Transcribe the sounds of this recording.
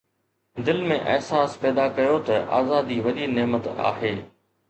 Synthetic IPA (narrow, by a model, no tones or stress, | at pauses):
d̪ɪlmẽʔɐ̰ɦsaːspɛːd̪akɐjot̪ɐʔa̰ːzaːd̪iʋɐɗineɦmət̪a̰ːɦeː